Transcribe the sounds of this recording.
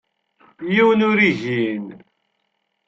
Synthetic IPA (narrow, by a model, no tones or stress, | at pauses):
jiwənʊɾiʝin